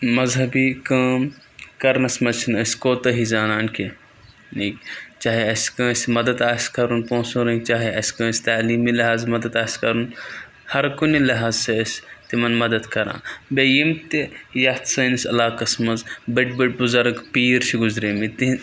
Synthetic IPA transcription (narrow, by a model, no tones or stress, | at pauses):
mɐzɦɐbiːkɐːm | kɐɾnɐsmɐzt͡ʃʰinɐskoːt̪ɐɦizaːnaːnkʰi | nikt͡ʃaːɦiɐskɐ̃ːsmɐd̪ɐd̪aːskɐɾunpõːsũːɾɐit͡ʃaːɦiɐskɐ̃ːsʲt̪aːliːmiːlɐɦaːzmɐd̪ɐd̪aːskɐɾun | hɐɾkunilɐɦaːzsest̪imɐnmɐd̪ɐd̪kɐɾã̰ːbejimt̪ijɐht̪sɐnsʲɐlaːkɐsmɐzbɐʈ̚bɐʈ̚buzɐɾɡpiːɾt͡ʃʰiɡʊzɾeːmit̪i